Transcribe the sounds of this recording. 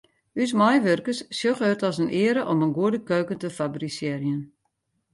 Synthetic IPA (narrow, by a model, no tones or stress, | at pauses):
ys̬majʋørkəssjoχətɔsənʔɪəɾəʔɔmənɡuədəkøːkəntəfabrisjɪrjən